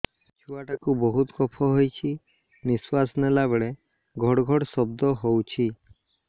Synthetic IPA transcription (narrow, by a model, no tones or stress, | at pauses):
t͡ʃʰuaʈakubɔɦut̪kɔpʰɔɦojt͡ʃʰi | niswasnelaβeɭe | ɡʱɔɽɡʱɔɽsɔb̚d̪ɔɦowt͡ʃʰi